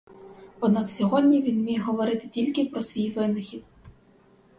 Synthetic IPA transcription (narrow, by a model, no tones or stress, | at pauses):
ɔd̪nɑksʲɔɦɔdʲnʲiʋʲinmʲijɛɦɔʋɔɾɪt̪ɪ̥tʲilʲkɪpɾɔsʋʲijʋɪnɪxʲid̪